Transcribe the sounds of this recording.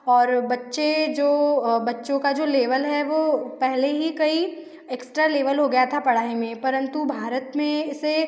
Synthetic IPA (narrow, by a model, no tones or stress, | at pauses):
ɔːɾbɐtːʃed͡ʒoːbɐtːʃõkad͡ʒoːleːʋəlɦɛʋoːpɛɦleɦikɐi | eːksʈɾaleːʋəlɦoɡɐjat̪ʰapɐɽ̤aːimẽpɐɾə̃nt̪ubʱaːɾət̪mẽɪse